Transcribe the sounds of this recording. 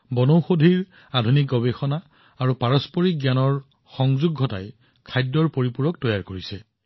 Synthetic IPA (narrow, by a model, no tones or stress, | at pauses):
bɔnowxodʱiɹ | adʱunik̚ɡɔbexɔnaː | ɹupaɹɔspɔɹik̚ɡjanɔɹ | xɔŋzuɡʱːɔtaj | kʰajdːɔɹpoɹipuɹɔk̚tɔjaɹkoɹisɛ